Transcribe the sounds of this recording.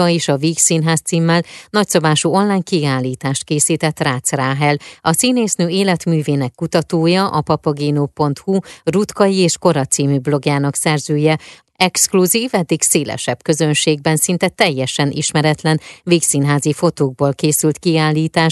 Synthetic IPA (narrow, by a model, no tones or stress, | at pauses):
ɒeːʃɒviːksiːnɦaːst̪siːmːɛlnɒcso̞baːʃuo̞nlaːjkiaːlːiːt̪aːʃt̪̚keːsiːt̪ɛt̪ːraːt̪sraːɦɛlɒsineːsnøːeːlɛt̪myːveːnɛkːut̪ɒt̪oːjɒʔɒpɒpɒɡeːnoːpo̞nt̪hurut̪kɒjieːʃko̞ɾɒt̪siːmyblo̞ɡjaːnɒksɛrzøːjɛ | ɛkskluziːvɛd̪ːiɡseːlɛ̰ʃɛb̥kø̞zø̞nʃeːɡ̚bɛnsint̪ɛt̪ɛjːɛʃɛnʔḭʃmɛɾɛt̪lɛnviːksiːnɦaːzifo̞t̪oːɡ̚boːlkeːsylt̪kiaːlːiːt̪aːʃ